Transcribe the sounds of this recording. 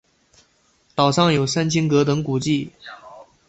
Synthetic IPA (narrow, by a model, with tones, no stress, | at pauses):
t̪ɑ˨˩ʊʂɑ˥˩ŋjo˨˩ʊsa˥nt͡ɕʰi˥ŋkɤ˧˥t̪ɤ˧˥ŋku˨˩t͡ɕi˥˩